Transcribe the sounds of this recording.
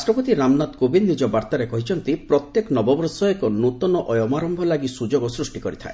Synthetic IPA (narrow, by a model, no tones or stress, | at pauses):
sʈɾɔpɔt̪iɾamnat̪kobinːid͡ʒɔbaɾt̪aɾekɔɦit͡ʃʰɔnt̪ipɾɔt̪jekɔnɔbɔbɔɾsɔekɔnut̪ɔnɔʔɔjɔmaɾɔmbʱɔlaɡisud͡ʒoɡɔsɾusʈikɔɾit̪ʰa̰e